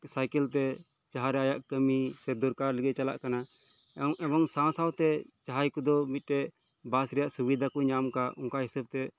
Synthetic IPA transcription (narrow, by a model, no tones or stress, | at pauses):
sajkɛlt̪ɛ | t͡ʃaɦaɾɛajaʔkəmisɛd̪ɔɾkaɾləɡɛt͡ʃala̰ʔkana | ɛbɔŋsãsawt̪ɛt͡ʃaɦajkud̪ɔmit̪̚ˀʈɛʔ | basɾɛjaʔsubid̪ʱakuɲamkaʔɔŋkaɦisab̚t̪ɛ